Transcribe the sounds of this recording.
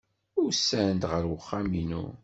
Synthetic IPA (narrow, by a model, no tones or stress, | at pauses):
ʊɾsːænd̪ʁəɾwəχːæminṵ